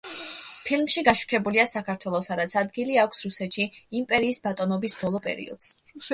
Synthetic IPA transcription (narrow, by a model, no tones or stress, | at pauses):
pʰilmʃiɡaʃu̥kʰɛbuliasakʰaɾt̪ʰwɛlˠɔsaɾat̪sʰad̪ɡiliakʷʰsɾusɛt̪ʃiimpʼɛɾiːsbat̪ʼɔnɔbisbɔlˠɔpʼɛ̰ɾḭɔ̰d̪̥z̥